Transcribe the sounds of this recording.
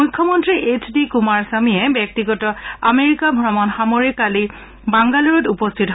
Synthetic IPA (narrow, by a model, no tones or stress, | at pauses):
ujkʰːɔmɔntɹiʔet͡ʃʰdikumaɹsamijɛbjɛk̚tiɡɔtɔameɹikabʱɹɔmɔnxamoɹikali | baŋɡaluɹɔtupɔstʰitɦ